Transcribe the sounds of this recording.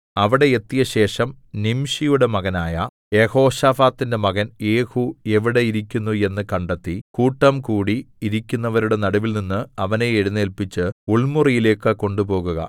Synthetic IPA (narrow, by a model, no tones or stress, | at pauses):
ɐʋiɽe̞et̪ːijɐɕe̞ːʂɐm | nimɕijuɽe̞mɐɣɐnaːjɐ | je̞ho̞ːɕaːfaːt̪ːinde̞mɐɣɐnje̞ːhue̞ʋiɽe̞jiɾikʲːunːue̞nːɨkɐɳɖet̪ːikuːʈːɐmkuːɽiːɾikʲːunːɐʋɐɾuɽe̞nɐɽɐʋilninːɨɐʋɐne̞eɽunːeːlpit͡ɕːɨuɭmurijile̞ːkːɨko̞ɳɖupo̞ːɣuɣɐ̰